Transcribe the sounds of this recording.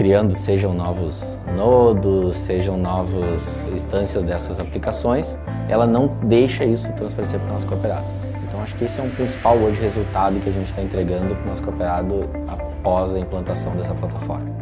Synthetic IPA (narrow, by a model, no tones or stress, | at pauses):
kɾiɐ̃nd̪ʊseʒɐ̃w̃nɔvʊz | nod̪ʊsseʒɐ̃w̃nɔvɐz | ĩst̪ɐ̃siɐzd̪ɛsɐzaplikasõj̃s | ɛ̰lɐnɐ̃w̃d̪ejʃɐisʊt̪ɾɐ̃spaɾeseɾpɾʊnɔsʊ̥kopeɾa̰d̪ʊ̥ | ẽnt̪ɐ̃w̃aʃʊ̥kɪesɪɛʊ̃pɾĩsi̥pawoʒɪhezuwt̪ad̪ʊkɪaʒẽnt͡ʃɪ̥t̪aẽnt̪ɾeɡɐ̃nd̪ʊpɾʊnɔsʊ̥kopeɾad̪ʊ | a | pɔzɐĩplɐ̃nt̪asɐ̃w̃d̪ɛsɐplat̪afɔ̰ɾmɐ